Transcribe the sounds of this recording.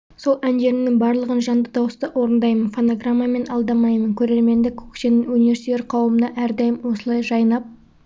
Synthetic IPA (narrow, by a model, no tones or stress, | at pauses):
so̞lˠænʒe̞ɾɪnɪŋbɑɾlˠəʁənʒɑnd̪əd̪ɑwəst̪əʔwʔo̞ɾənd̪ɑjmənfo̞noɡramːame̞nɑlˠd̪ɑmɑjmənkʲʰɵɾe̞ɾme̞nd̪ekʰu̥kʃenɪŋunivʲe̞ɾsit̪eɾqʰɑwəmənɑʔæɾd̪ɑjɪmwo̞səlˠɑjʒɑjnɑp̚